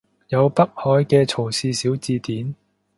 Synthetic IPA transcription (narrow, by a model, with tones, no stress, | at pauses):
jɐ˨˧wpɐ˥k̚hɔː˨˧jkɛː˧t͡sʰo˨˩wsiː˧siː˨˥wt͡siː˧t̪iː˨˥n